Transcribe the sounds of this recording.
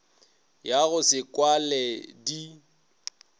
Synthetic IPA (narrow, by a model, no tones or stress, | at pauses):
jaɣʊsɪkʼwalɛdi